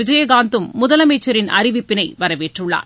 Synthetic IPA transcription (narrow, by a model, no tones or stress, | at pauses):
ɪd͡ʒɐjɐɡaːnd̪ɯmːʊðɐlɐmeːt͡ʃːɐɾɪnɐ̰ɾɪʋɪpːɪnɐɪʋɐɾɐʋeːʈrɯɭːa̰ːɾ